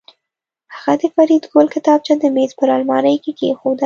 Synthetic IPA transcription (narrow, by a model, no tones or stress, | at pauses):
haɣad̪əfaɾid̪ɡolkɪt̪ɑb̚t͡ʃad̪əmezpəɾɑlmɑnəjkekexod̪ə